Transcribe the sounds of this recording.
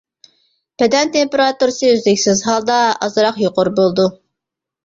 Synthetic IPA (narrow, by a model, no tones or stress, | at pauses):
b̥ɛd̪ɛnt̪ʰempeɾɑt̪uɾsɨyzlɪkʲsɪzɦɑlˠd̪ɑɑ̰zɾɑqjoqʊɾbolˠd̪u